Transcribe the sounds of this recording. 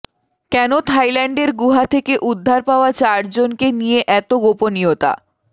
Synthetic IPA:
kɛnot̪ʰajlɛɳɖeɾɡuɦat̪ʰekeʔud̪ʱːaɾpaoat͡ɕaɾd͡ʑonkenijeʔɛt̪oɡoponiot̪a̰

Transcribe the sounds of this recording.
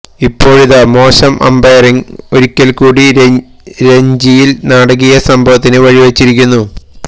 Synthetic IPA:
ipːo̞ːɻiðamo̞ːɕɐmʔɐ̰mbɐjriŋoɾikʲːɐlkuːɽi | ɾe̞ɲd͡ʑijilnaːɽɐɣijɐsɐmbʱɐʋɐt̪ːinɨʋɐɻiʋɐt͡ɕːiɾikʲːunːu

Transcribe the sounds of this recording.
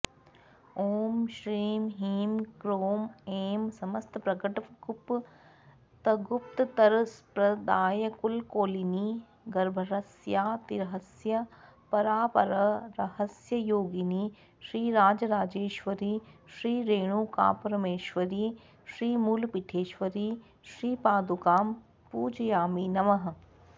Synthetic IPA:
oːmʃɾiːmɦiːmkɾoːmeːmsɐməst̪ʰpɾɐɡəʈɐɡʊp | t̪ɐɡʊpt̪t̪ɐɾspɾɐd̪aːjɐkʊlkoːliniː | ɡɐɾbʱəɾɐsjaːt̪iɾɐɦəsjɐpɐɾaːpɐ̰ɾɐɾɐhɐsjɐjoːɡini | ʃɾiːɾaːd͡ʒɐɾaːd͡ʒeːʃʋɐɾiːʃɾiːɾeːɽ̃uːka̰ːpɐɾmeːʃʋɐɾiː | ʃɾiːmuːlpiʈʰeːʃʋɐɾiː | ʃɾiːpaːd̪ukaːm | puːd͡ʒjaːmiːnɐʋɐɦɐ̆

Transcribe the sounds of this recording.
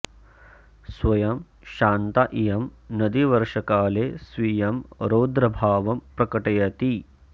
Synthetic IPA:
sʋɐjɐm | ʃaːnt̪ɐʔijɐmnɐd̪iʋɐɾʂɐkaːleːsʋijɐmɾoːd̪ɾɐbʱaːʋɐmpɾɐkɐʈɐjɐt̪i

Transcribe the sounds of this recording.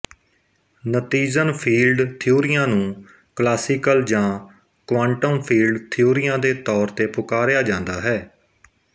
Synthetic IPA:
nət̪iːzənpʰiːlɖt̪ʰɪjoːɾɪjãːnũː | klaːsɪkəld͡ʒãː | kʋãːɳʈəmpʰiːlɖt̪ʰijoːɾɪjãːd̪eːt̪ɔːɾt̪eːpʊkaːɾejaːd͡ʒãːnd̪aːɦɛː

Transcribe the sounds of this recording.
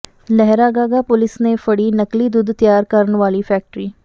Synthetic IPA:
lɛɦɾaːɡaːɡapʊlɪsnefɐɽinɐklid̪ʊd̪t̪jaːɾkɐɾnʋaːlifɛːk̚ʈɾiː

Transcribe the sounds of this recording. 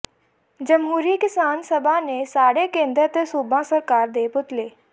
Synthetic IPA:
d͡ʒɐmɦuːɾikɪsaːnsəbʱanesaːɽekẽːnd̪ɾət̪suːbãsəɾkaːɾd̪eːbʊt̪leː

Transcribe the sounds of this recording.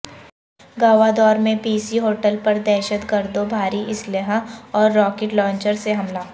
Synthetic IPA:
ɡaːʋad̪ɔːɾmẽpiːsiɦoːʈəlpɐɾd̪ɛːʃət̪kɐɾd̪obʱaːɾiʔɪslɪɦãɔːɾːɔːkeʈlɔ̃ːɲt͡ʃəɾseɦɐmlaː

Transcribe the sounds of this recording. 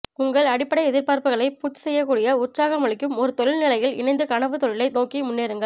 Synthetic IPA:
ʊŋɡɐɭɐɽɪpːɐɽɐɪɛðɪɾpaːɾpɯɣɐɭɐɪpuːt̪ːɯ̥sɛjːɐkːuːɽɪjɐʊrt͡ʃaːɣɐmɐɭɪkːɯmɔɾɯt̪ɔɻɪlnɪlɐjɪlɪ̰nɐɪnd̪ɯkɐɳɐʋɯt̪ɔɻɪlɐɪnoːkimʊnːeːɾɯŋɡɐɭ

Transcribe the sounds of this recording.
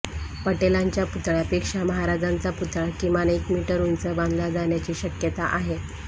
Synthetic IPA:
pəʈelaɲt͡ɕjaput̪ɭjapekʂaməɦaɾad͡zant͡saput̪ɭakimanəikmiʈəɾunt͡səbãnd̪lad͡zaɳjat͡ɕiːɕəkjət̪aʔaɦe

